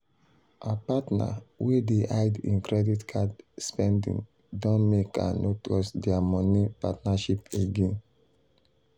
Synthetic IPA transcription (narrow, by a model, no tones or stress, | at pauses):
ʔapatna̰wedeʔaɪdḭ̃nkɾɛditkʰadspɛ̃ndḭ̃ŋ | dɔ̃nmeka̰noklɔsdɛamɔnipatnaʃipeɡẽn